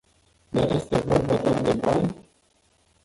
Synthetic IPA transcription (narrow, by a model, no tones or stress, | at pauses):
d̪arje̞st̪e̞vo̞rbad̪oard̪e̞banʲ